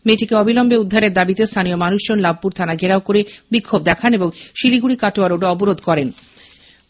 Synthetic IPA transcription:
meʈikeɔbilɔmbeud̪ʱːaɾeɾd̪abit̪est̪ʰanijomanuʃd͡ʑonlab̚puɾt̪ʰanaɡʱeɾaokoɾebikʰːob̚d̪ɛkʰaneboŋʃiliɡuɽikaʈoaɾoɖɔboɾod̪ʱkɔɾen

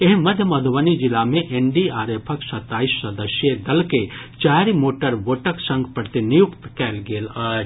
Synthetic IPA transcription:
eɦmɐd̪ʱjəmɐd̪ʱʋənid͡ʒilamẽʔeɳɖiaːɾepʰəksɐt̪ːaːisːəd̪əsjed̪ɐlket͡ʃaːɾimoːʈəɾʋoːʈəksɐ̃ŋɡpɐɾt̪inijukt̪kɛːlɡeːləː

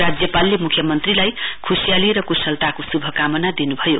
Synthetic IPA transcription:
ɾad͡zjʌpalːemukʰjʌmʌnt̪rilajkʰusijaliɾʌkusʌlt̪akosubʱʌkamʌnad̪inubʱʌjo

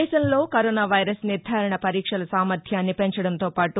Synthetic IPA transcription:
ʃɐmlo̞ːkɐɾoːnaːʋɐjɾɐsniɾd̪ʱaːɾɐɳɐpɐɾiːkʂɐlɐsaːmɐɾd̪ʰʱjaːnːipeɲt͡ʃɐɽɐnt̪o̞ːpaːʈu

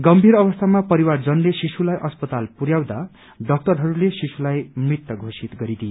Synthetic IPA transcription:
ɡʌmbʱiɾʌbʌst̪ʰamapʌɾiward͡zʌnlesisulajʔʌspʌt̪alpuɾjaw̃d̪a | ɖʌk̚tʌrɦʌɾulesisulajmrit̪ːʌɡʱosit̪ɡʌɾid̪ije

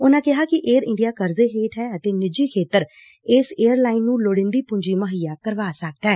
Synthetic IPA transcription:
ʊnãːkɪɦaːkɪʔeːɾɪ̃ɳɖijaːkəɾzeːɦeːʈʰɦɛːət̪eːnɪd͡ʒiːkʰeːt̪əɾ | ɪːseːəɾlaːɪnːũːloɽɪ̃ːnd̪iːpʊɲd͡ʒiːməɦɪjaːkəɾʋaːsək̚d̪aɦɛː

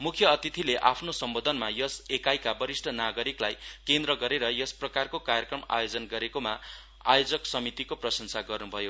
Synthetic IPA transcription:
mukʰjʌːt̪it̪ʰileʔapʰnosʌmbod̪ʱʌnmajʌsekajkabʌɾisʈʰʌnaɡʌɾiklajkend̪rʌɡʌɾeɾʌjʌsprʌkarkokarjʌkrʌma̰jod͡zʌnɡʌɾekoma | a̰jod͡zʌksʌmit̪ikoprʌsʌnsaɡʌrnubʱʌjo

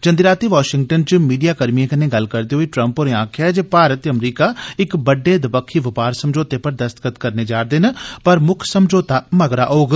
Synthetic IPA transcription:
d͡ʒənd̪iɾaːt̪iʋaːʃɪŋɡ̚ʈənt͡ʃmiːɖijaːkəɾmiẽkɐneɡɐlkəɾd̪iɦoːiʈɾə̃mpoːɾeãːkʰɛd͡ʒepaːɾət̪ɐmɾiːkaːɪkbəɖːeːd̪ɪpəkʰːiʋɪpaːɾsəmd͡ʒoːt̪epɐɾd̪ɐst̪ə̥kət̪kəɾneːd͡ʒaːɾd̪ɪnpɐɾmʊkʰsəmd͡ʒoːt̪aːməɡɾaʔoːɡ

